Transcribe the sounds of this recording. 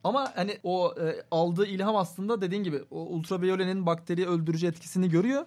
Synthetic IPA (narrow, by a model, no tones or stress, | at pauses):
amahanioːalˠd̪ɯːilʲɦamaslˠɯnd̪ad̪e̞d̪iːnɟibɪoṵlʲˠt̪ɾavejolʲeninbakt̪ʰe̞ɾijɛølʲd̪yɾyd͡ʒyɛt̪cʰi̥siniɟø̞ɾyjo